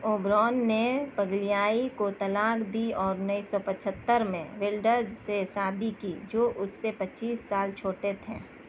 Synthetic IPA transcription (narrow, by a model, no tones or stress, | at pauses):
oːbɾɔːnːepəɡlijaːikot̪ɐlaːkd̪iɔːɾnəisɔpət͡ʃʰət̪ːəɾmḛ̃ʋɪlɖəɾzsesaːd̪ʱikid͡ʒoːʔʊsːepət͡ʃiːsːaːlt͡ʃʰoːʈet̪ʰḛ̃ː